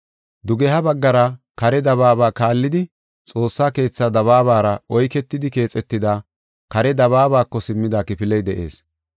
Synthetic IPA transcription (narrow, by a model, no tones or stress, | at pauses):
d̪ʊɡɛɦɐbɐɡːɐɾɐ | kɐɾɛd̪ɐβaːbaːkaːlːɪd̪ɪ | t͡sʼo̞ːsːaːke̞ːt͡sːɐd̪ɐβaːβaːɾɐɔjkɛt̪ːɪd̪ɪke̞ːt͡sʼɛt̪ːɪd̪a | kɐɾɛd̪ɐβaːbaːkːɔsɪmːɪd̪akɪpɪlɛjd̪ɛʔe̞̰ːs